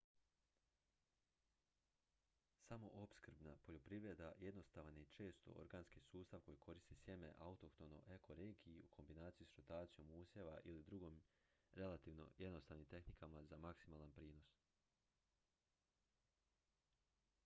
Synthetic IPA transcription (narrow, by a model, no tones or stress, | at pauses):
samo̞ʔopskɾ̩bnapo̞ʎo̞pɾiʋɾed̪aje̞d̪no̞st̪aʋanit͡ʃe̞ːst̪o̞̰o̰ɾɡaːnskisuːst̪aʋko̞jikʰo̞ɾist̪isje̞me̞̰ʔaut̪o̞kt̪o̞no̰ʔekʰo̞ɾe̞ːɡiiukʰo̞mbinaːt̪sijisɾot̪aːt̪sijo̞muːsjeʋaʔilid̪ɾuɡomɾe̞lat̪iʋno̞̰jed̪nost̪aːʋnimt̪e̞xnikamazamaksimaːlˠanpɾiːno̞s